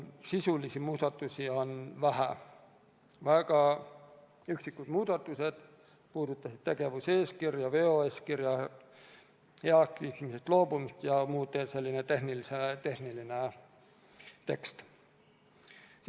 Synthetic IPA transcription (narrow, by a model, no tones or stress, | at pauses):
sisulisimuːd̪ɑt̪ːˑusio̞nvæɦæ̰ | væɡ̥ɑ | yksikːˑud̪̥muːd̪̥ɑt̪ːˑuse̞d̪̥ | puːd̪ut̪ːˑɑsid̪̥̚t̪e̞ɡ̥e̞vuse̞ːskirjɑve̞ːoeːskirjɑ | heɑk̪it̪misest̪lo̞ːbumist̪jɑmuːd̪ese̞lːine̞t̪e̞hniliset̪e̞hniline | t̪e̞kst̪